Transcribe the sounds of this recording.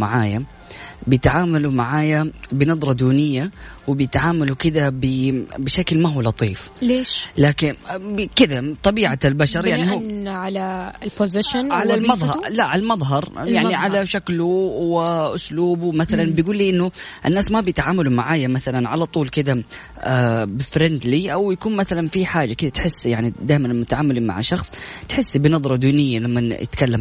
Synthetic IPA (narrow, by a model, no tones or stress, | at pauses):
ma̰ʕaːja | bɪjɪt̪ʕaːmalumaʕaːjabɪnɑd̪ˤɾˤɑd̪uːnɪjːawɪbɪjɪt̪ʕaːmalukɪd̪abɪbɪʃaklmaɦuːlɑt̪ˤiːfleːʃlaːkɪnbkɪd̪at̪ˤɑbiːʕalbaʃɑɾˤjaʕnihːnʕalaɪlpʊzɪʃɪnʕalalmɑðˤɑlaʕalmɑðˤɦɑɾˤjaʕniʕalaʃakluwɪʔʊsluːbumaθalanbjɡuːlːiːʔɪnːʊʔɪnːaːsmabjɪt̪ʕaːmalumaʕaːjamaθalanʕalat̪ˤuːlkɪd̪a | abɪfɾɪnd̪liʔawjakuːnmaθalanfiħaːd͡ʒakɪd̪at̪ħɪsːjaʕnid̪aːjmanmʊt̪aʕaːmʊliːma̰ʕʃɑxsˤt̪ħɪsːbɪnɑðˤɾˤɑd̪iːnɪjːalamːajɪ̰t̪kalːam